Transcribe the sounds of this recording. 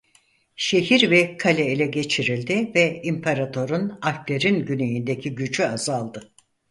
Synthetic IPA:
ʃe̞ɦiɾvɛkʰalʲɛilʲɛɟe̞t͡ʃʰiɾilʲd̪ɪvɛimpʰaɾat̪ʰo̞ɾunafpleɾinɟynejind̪ecʰiɟyt͡ʃyazalˠd̪ɯ

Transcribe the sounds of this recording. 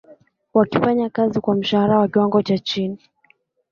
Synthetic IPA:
wakifaɲakazikwam̩ʃahaɾawakiwaŋɡɔt͡ʃat͡ʃini

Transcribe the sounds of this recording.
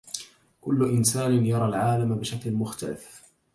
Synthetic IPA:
kʊlːʊʔɪnsaːnɪnjɑɾˤɑlʕaːlambɪʃaklɪmʊxt̪alɪ̰f

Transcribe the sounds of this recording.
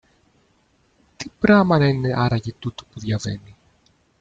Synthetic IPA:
t̪ipɾɐmɐnɐineʔɐɾɐʝit̪ut̪o̥puðʝɐvḛni

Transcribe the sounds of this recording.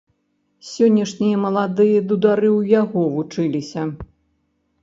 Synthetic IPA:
sʲɔnʲːɐʂnʲijɐmɐlˠad̪ɨjɐd̪ud̪aɾɨwjaɣɔvut͡ʂɨlʲisʲɐ

